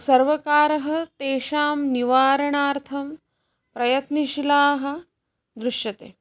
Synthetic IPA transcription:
sɐɾʋɐkaːɾɐɦɐ̆t̪eːʃaːmniʋaːɾɐɳaːɾt̪ʰɐm | pɾɐjɐt̪niʃilaːɦɐ̆ | d̪ɾuʂjɐt̪ḛː

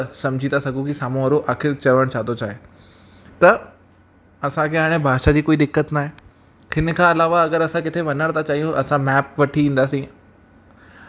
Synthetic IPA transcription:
sɐ̃md͡ʑʱit̪asɐɡʱũkisaːmõɦɐɾoʔaːxɪɾt͡ɕɐʋəɽ̃t͡ɕʰaːɦt̪ot͡ɕaːɦe | t̪ɐ | ɐsãkʰeaːɽ̃ebʱaːʃad͡ʑiːkoːid̪ɪkːət̪naːɦe | hɪnə̆kʰãːɐlaːʋaɐɡəɾɐsãkɪt̪ʰeʋɐnəɽ̃t̪at͡ɕaːijũʔɐsãmɛːp̚ʋɐʈʰiĩːn̆d̪aːsĩ

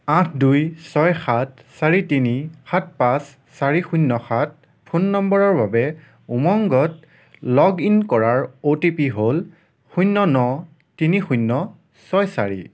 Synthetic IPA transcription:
ãtʰdujsɔjxat̚ʰ | saɹitinixat̚pãsː | aɹixujnːɔxat̚ | pʰunːɔmbɔɹɔɹbabɛ | umɔŋɡɔt̚ | lɔɡinkɔɹaɹotipiɦol | xujnːɔnɔ | tinixujnːɔ | sɔjsaɹḭ

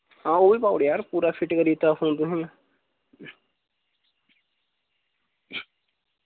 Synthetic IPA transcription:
ãːoːʋiːpaːɽjaːɾpuːɾaːpʰɪʈkəɾiːt̪aːfũːnd̪ʊɦĩːã

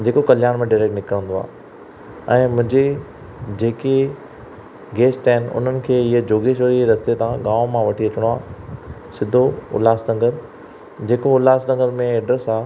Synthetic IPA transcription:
d͡ʑeːkokɐljaːnmẽɖaɪɾeːk̚ʈnɪkɾə̃nd̪oa̰ː | ɛ̃ːmʊ̃ɦɪ̃ɲd͡ʑe | d͡ʑeːke | ɡeːsʈɦɪn̆ʊ̰n̤ənɪ̆kʰeːɪɦed͡ʑoːɡeːʃ̬ʋəɾiɾɐst̪et̪ãɡaːʋmãʋɐʈʰiɐt͡ɕɪɽ̃oaːsɪd̪ʱoʊ̰laːsnɐ̃ŋɡəɾ | d͡ʑeːkoʊlaːsnɐ̃ŋɡəɾmẽeːɖəɾsaː

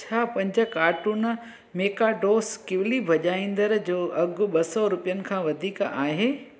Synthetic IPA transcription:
t͡ɕʰaːpɐ̃ɲd͡ʑə̆kaːɾʈun | meːkaɖoːskɪʋlibʱɐʄaːĩːnd̪əɾd͡ʑoːʔɐɡʊ̆ɓɐsɔɾʊpijənɪ̆kʰãːʋɐd̪ʱiːkaːɦeː

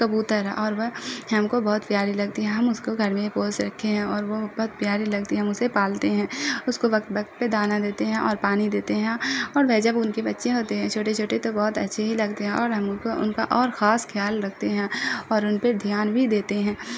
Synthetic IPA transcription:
kɐbuːt̪əɾɛ̰ʔɔːɾʋɐɦɐmkobɔːʊt̪pjaːɾilɐɡ̚t̪iɦɛ̃ɦɐmʊskoɡʱɐɾmẽpoːsɾɐkʰːeɦɛ̃ɔːɾʋobɔːt̪̚pjaːɾilɐɡ̚t̪iɦɛɦɐmʊsepaːlt̪eɦɛ̃ːʊskoʋɐk̚t̪ʋɐkt̪̚ped̪aːnad̪eːt̪eɦɛ̃ʔɔːɾpaːnid̪eːt̪eɦɛ̃ɔːɾʋɛd͡ʒɐbʊnkebɐtːʃẽɦoːt̪eɦɛ̃t͡ʃʰoːʈet͡ʃʰoːʈet̪obɔːʊt̪ɐtːʃʰeɦilɐɡ̚t̪eɦɛ̃ʔɔːɾɦɐmkoʔʊ̰nkaʔɔːɾxaːskʰjaːlɾɐkʰt̪eɦɛ̃ːɔːɾʊnped̪ʱjaːnbʱid̪eːt̪eɦɛ̃ː

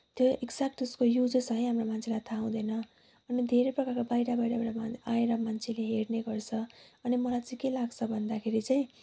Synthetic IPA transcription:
t̪joeɡd͡zak̚ʈuskojud͡zt͡sʌĩɦamromant͡sʰelajt̪ʰaũd̪ʌnʌ | ʌnid̪ʱeɾejprʌkarkabajɾabajɽabaʈaaeɾʌmant͡sʰeleɦeɽneɡʌrt͡sʰʌʌnimʌlajt͡saĩkelaɡt͡sʰʌbʱʌnd̪akʰeɾit͡saĩ

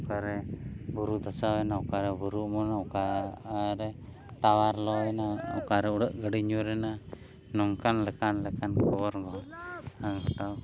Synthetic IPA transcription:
ukaɾɛbuɾud̪asawɛnaukaɾɛbuɾuʔmɔnaka | ɾɛ | t̪awaɾlɔɛnaukaɾɛuɽəʔɡəɽiɲuɾɛna | nɔŋkanlɛkanlɛkankʰɔbɔɾbaaŋɡɔʈaw

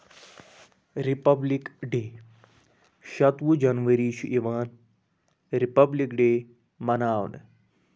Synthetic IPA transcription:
ɾipɐblikɖeː | ʃɐt̪ʋud͡ʒɐnʋɐɾiːʃuʔiʋaːn | ɾipɐblikɖeː | mɐnaːʋnɨ̰

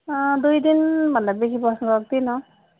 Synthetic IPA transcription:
d̪ujd̪inbʱandabekʰipɔsɔnkɔɔk̚t̪inɔ

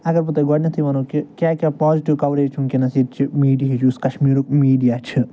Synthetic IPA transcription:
ɐɡɐɾput̪eɡɔɽʲnɐt̪ʰiʋɐnoːkikʲjaːkʲaːpɔːziʈiʋkɐʋɾet͡ʃʰũŋkʲinɐsiːɾt͡ʃʰimiːɖiɦid͡ʒuskɐʃmiːɾuk̚miːɖijaːt͡ʃʰi

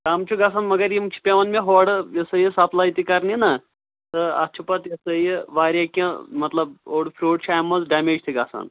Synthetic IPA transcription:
kaːmt͡ʃʰuɡasanmɐɡɐɾjimt͡ʃʰi̥pʲeʋɐnmʲẽɦoːɽjɐsəjisɐplaːjit̪ikɐɾninɐ | t̪ɨɐ̰t͡ʃʰupɐt̪jɐsəjiʋaːɾʲjakɐ̃mɐt̪lɐb̚oːɽpʰɾoːɖt͡ʃʰaːmːɐzɖaːmeːd͡ʒt̪ʰiɡaːsa̰n

